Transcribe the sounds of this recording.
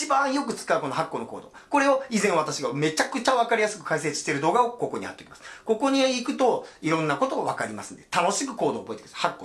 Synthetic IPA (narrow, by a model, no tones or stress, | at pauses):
ibãɰ̃jo̞kɯ̟t͡sɨ̥kaɯ̟ko̞no̞ɦakːo̞ːno̞ko̞̰ːd̪o̞ːkoɾe̞oizẽɰ̃at̪aɕiɡame̞t͡ɕakɯ̟t͡ɕaβ̞akaɾʲijasɨ̥kɯ̟̥kaise̞t͡sɨ̥ɕi̥t̪eɾɯ̟d̪o̞ːɡao̞ko̞ko̞ɲ̟iha̰t̪ːe̞kʲimḁsɨ̥ko̞ko̞ɲ̟iikɯ̟t̪o̞iɾõ̞nːako̞t̪o̞aβakaɾʲimasɨ̥̃nd̪et̪ano̞ɕi̥kɯ̟̥ko̞ːd̪o̞ːbo̞et̪ekʲimḁshakːo